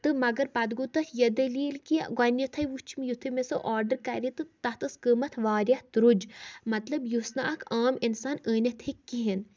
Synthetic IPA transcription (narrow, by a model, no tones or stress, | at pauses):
t̪ɨmɐɡɐɾpɐd̪ɡut̪ɐt̪ʰjɐd̪ɐliːlkiɡɐnjɐt̪ʰɐjʋut͡ʃʰimjut̪ʰɨmesɨ̰ʔaːɾɖəɾkɐɾʲit̪ɨt̪ɐt̪ɨskəmɐt̪ʰʋaːɾʲjaht̪ɾud͡ʒmɐt̪lɐbjusnaɐkʰaːminsaːnəːnʲɐt̪ʰikːiɦin